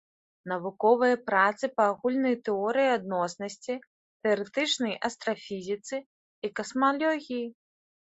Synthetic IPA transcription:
nɐvukɔvɨjɐpɾat̪sɨpɐːɣulʲnɐjt̪ɛɔɾɨjiad̪nɔsnɐsʲt͡sʲi | t̪ɛɐɾɛt̪ɨt͡ʂnɐjʔɐst̪ɾɐfʲizʲit̪sɨ | ikɐsmalʲɔɣʲiji

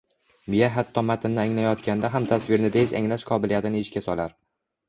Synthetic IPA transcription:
mijaɦat̪ʰːɒmat̪ʰɪnːɪaŋlajɒt̪kʲand̪aɦamt̪ʰasvɪɾnɪd̪eza̰ŋlaʃqʰɒbɪlijat̪ɪnɪɪʃkʲasɒlaɾ

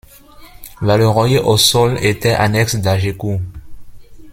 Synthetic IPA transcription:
valøʁɔ̃jeʔosɔlet̪ɛʔanɛksd̪aʒeku

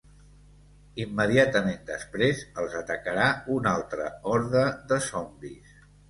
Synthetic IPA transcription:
imːəðiat̪əmend̪əspɾezəlˠzət̪əkəɾaunalˠt̪ɾə̰ɔɾðəðəsɔmbis

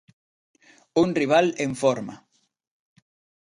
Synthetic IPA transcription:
unriβ̞aleɱfɔɾma̰

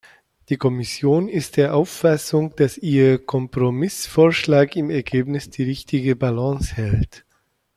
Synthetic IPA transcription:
d̥iːkʰɔmɪsjoːnɪst̚d̥eːɐʔaʊfːasʊŋd̥asʔiːɐkʰɔmpʁ̥omɪsfoːɐʃlaːkɪmɛɐɡeːpnɪsd̥iːʁɪçtɪɡəbalɑ̃shɛlt

